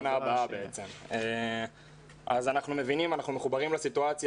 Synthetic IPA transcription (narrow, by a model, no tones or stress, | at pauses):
naːbaabeet͡se̞me | ʔazanaχnume̞vinimanaχnumeχubaʁimlesituat͡sj